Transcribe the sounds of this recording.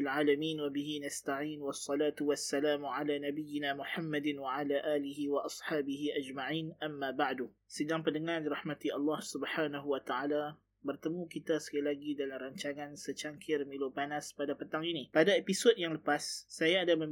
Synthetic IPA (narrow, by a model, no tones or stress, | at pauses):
lʕaːlamiːnwabiɦinast̪aʕiːnwɑsːɑlaːt̪uwasːalaːmuʕalanabijɪnamuħamːadɪnwaʕalaʔaːliɦiwaʔɑsħaːbiɦiʔad͡ʒmaʕiːnʔamːabaʕdu | sədaŋpəndəŋardiɾɑhmat̪iʔɑlːɑhsubħaːnaɦuwat̪aʕala | bərt̪əmũkit̪asə̥kilaɡidalamraɲt͡ʃaŋansət͡ʃaŋkʰɪrmilopanaspadapət̪aŋinipadaepisɔdjaŋləpasːajaːdamə